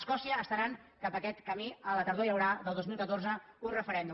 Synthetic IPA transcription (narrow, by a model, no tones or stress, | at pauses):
skɔsiəːst̪əɾaŋkapəkɛt̪kəmiələt̪əɾðoijəwɾaðəlˠd̪ozmilˠkət̪orzəunrəfəɾɛnd̪u